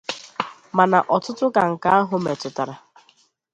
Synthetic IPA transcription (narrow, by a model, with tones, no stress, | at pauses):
ma˨na˨ʔɔ˨tʊ˦tʊ˦ka˨ŋ̩˨ka˨˦a˦ɦʊ˨me˨tʊ˨ta˨ɾa˨